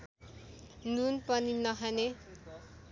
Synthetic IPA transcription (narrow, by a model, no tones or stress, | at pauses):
nunpʌninʌɦane